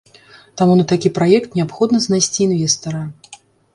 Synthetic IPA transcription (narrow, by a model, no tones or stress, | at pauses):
t̪amunɐt̪akʲipɾajɛkt̪nʲɛapxɔd̪nɐznajsʲt͡sʲiːnvʲɛst̪ɐɾɐ